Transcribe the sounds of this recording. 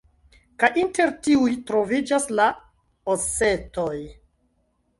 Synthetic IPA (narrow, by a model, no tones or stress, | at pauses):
kajʔinte̞ɾtiujtɾo̞vid͡ʒasla | ose̞to̞j